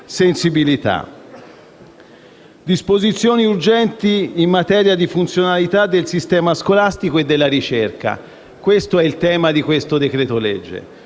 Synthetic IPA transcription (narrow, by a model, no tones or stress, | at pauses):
sensibilit̪a̰ | d̪ispozit̪sːjoːniurd͡ʒɛnt̪iːmːat̪ɛːɾjad̪ifunt̪sjonalit̪ad̪ːelsist̪ɛːmaskolast̪ikoed̪ːelːaɾit͡ʃerka̰ | kwest̪oɛilt̪ɛːmad̪ikwest̪od̪ekɾɛːt̪olɛd͡ʒːḛ